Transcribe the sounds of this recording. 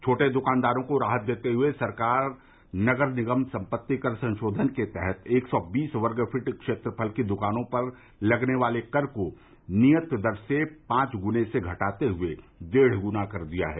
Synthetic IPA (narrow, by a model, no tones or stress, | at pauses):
t͡ʃʰoːʈed̪ʊkaːnd̪aːɾõkoɾaːɦət̪̚d̪eːt̪eɦʊesɐɾkaːɾ | nɐɡəɾnɪɡəmsɐ̃mpət̪ːikɐɾsɐ̃nʃoːd̪ʱənket̪ɛɦɛt̪eːksɔːbiːsʋɐɾɡəfʰɪʈkʃeːt̪ɾəpʰəlkid̪ʊkaːnõpɐɾ | lɐɡneʋaːlekɐɾko | nijət̪d̪ɐɾsepãːt͡ʃɡʊneseɡʱɐʈaːt̪eɦʊed͡ʒ̪eːɽ̤ɡʊnakɐɾd̪ija̰ɦɛː